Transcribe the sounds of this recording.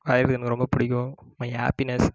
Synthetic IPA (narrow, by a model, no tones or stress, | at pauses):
ʋaːjɪɾkːɐnɐkːɯɾɔmbɐpʊɽɪkʲːʊ̃maɦa̰ːpinɐs